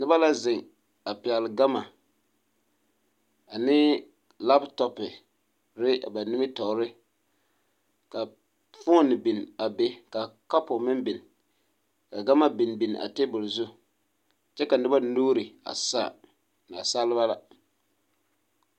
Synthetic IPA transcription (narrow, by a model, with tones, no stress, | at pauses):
nɪ˦ba˦la˦zɪ˨ŋ | a˨pɪ˨ɛ˨lɡa˦ma˨ | a˨nɪ˦ | la˦ptɔ˨pɪ˨ | ɾɪ˦a˨ba˨nɪ˦mɪ˦tɔ˨ɾɪ˦ | ka˨ | fo˦nɨ˨bɪ˨n˨a˨be˦ka˨ka˦pʊ˨mɪ˦mbɪ˨n˨ | ka˨ɡa˦ma˦bɪ˨nbɪ˨n˨ʔa̰˨te˦bʊ˨lzʊ˦ | t͡ʃɛ˦ka˨nɪ˦ba˦nuː˦ɾɪ˨a̰˨sa̰˦˨ | na˨sa˦lɪ˦ba˦la̰˨